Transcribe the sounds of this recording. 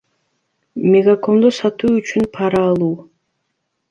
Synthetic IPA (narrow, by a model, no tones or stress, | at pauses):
mʲeɡako̞nd̪osɑt̪uːyt͡ʃynpʰɑɾɑːlˠuː